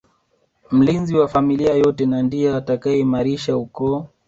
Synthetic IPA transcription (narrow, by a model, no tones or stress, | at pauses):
m̩linziwafamiliajɔtɛnandiaːtakaɛimaɾiʃaukɔ